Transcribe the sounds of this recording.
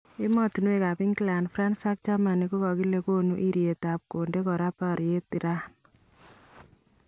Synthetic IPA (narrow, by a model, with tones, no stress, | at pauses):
ɪ˦mɔ˦tu˨nu˦e˨ka˨pɪ˦ŋkla˨nfɾa˦nsa˦k̚t͡ʃa˦ma˨ni˨ko˦kɔ˨ki˦le˦ko˦nu˦ʔi˦ɾje˨t̪a˨p̚ko˨nde˦kɔ˨ɾa˦pa˨ɾje˦t̪i˨ɾa˦